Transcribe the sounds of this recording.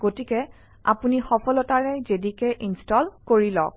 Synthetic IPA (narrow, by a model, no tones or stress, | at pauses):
ɡ̥otikɛ | a̰punixɔpʰɔlɔtaɹɛzedikɛʔinstɔlkoɹilɔ̰k̚